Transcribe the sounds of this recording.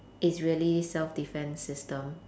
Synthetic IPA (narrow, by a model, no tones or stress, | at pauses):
ʔɪtsɹiəlisɛlfdifɛ̃nsɪstə̃m